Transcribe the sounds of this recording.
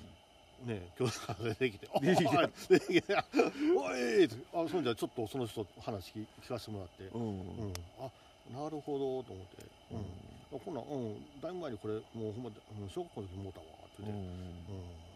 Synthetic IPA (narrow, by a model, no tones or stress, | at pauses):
ne̞kʲo̞ːsɨ̥kaɡad̪e̞kʲi̥t̪e̞a | e | aeːt̪easõnɲd͡ʑat͡ɕo̞t̪ːo̞so̞no̞ɕi̥t̪ohanaɕi̥ikʲi̥kaɕi̥t̪e̞mo̞ɾat̪ːe̞ɯ̟̃ɴa | naɾɯ̟ho̞d̪o̞t̪o̞ːmo̞t̪ʰːe̞̰ | ɯ̟̃ɴakonːã̰ʔɯ̟̃ɴd̪aimaeɲ̟iko̞ɾe̞moːhomːaɯ̟̃ɴɕo̞ːɡakoːnot̪okʲimoːt̪aβa̰t̪eit̪ːeɯ̟̃ɴ